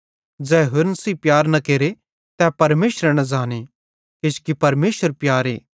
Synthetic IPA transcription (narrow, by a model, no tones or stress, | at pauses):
d͡ʒɛːɦʊɾnɐsiːpjaːɾnɐkeːɾe | t̪ɛpɐɾmeːsɾɛnɐ̃d͡ʒaːne | kɪskipɐɾmeːsəɾpjaːɾḛː